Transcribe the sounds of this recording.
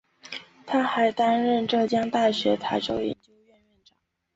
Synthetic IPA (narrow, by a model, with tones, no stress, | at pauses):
t̪ʰa˥xa˧˥ɪt̪a˥nɻə˥˧nʈ͡ʂɤ˥˩t͡ɕjɑ˥ŋt̪a˥˩ɕɥɛ˧˥t̪ʰa˧˥ɪʈ͡ʂo˥ʊjɛ̰˧˥nt͡ɕjo˥ʊɥɛ˥˧nɥɛ˥˩nʈ͡ʂɑ˨˩˦